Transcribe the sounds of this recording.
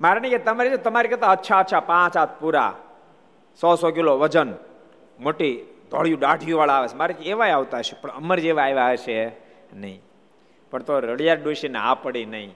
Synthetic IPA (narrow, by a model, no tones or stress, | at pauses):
maɾnĩket̪əmaɾid͡ʒet̪əmaɾikət̪ʰaətːʃʰaətːʃʰapãt͡ʃat̪̚ʰpuɾa̰ | sɔsɔkiloʋəd͡ʒən | moʈid̪ʱə̰ɭjũɖaɖʱjũʋaɭaʋet͡ʃʰmaɾikeʋajaʋt̪aɦəʃepəɳəməɾd͡ʒeʋaeʋaɦəʃe | nəɦĩ | pəɳt̪oɾəɽjaɾɖoʃina̰pəɽinəɦĩ